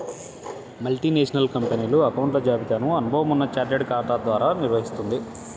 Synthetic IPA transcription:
mɐlʈiːneːʂɐnɐlkɐmpeniːluɐkɐwɳʈlɐd͡ʒaːbid̪ʱaːnɐmɐnubʱɐʋɐmunːɐt͡ʃaːɾʈeɖkaːɾʈaːd̪ʋaːɾaːniɾʋɐɦist̪und̪i

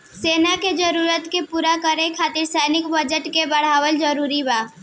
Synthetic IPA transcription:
seːnaked͡ʒəɾuːɾət̪kepuːɾakəɾekʰaːt̪ɪɾsɛːnɪkbəd͡ʒəʈkebəɽ̤aːʋəld͡ʒəɾuːɾibaː

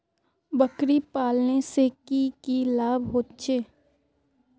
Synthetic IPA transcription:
bəkɾipaːlnesekikilaːbɦoːt̪t͡ʃeː

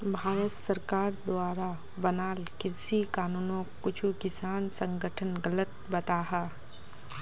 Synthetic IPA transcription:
bʱaːɾət̪səɾkaːɾd̪waːɾabənaːlkɪdsikaːnuːnõkːʊt͡ʃʰukɪsaːnsə̃ŋɡəʈʰənɡələt̪̚bɐt̪aːɦɛː

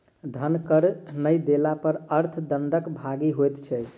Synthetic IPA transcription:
d̪ʱənkəɾnəjd̪elapəɾəɾt̪ʰd̪əɳɖəkbʱaɡiɦojt̪t͡ʃʰɛ

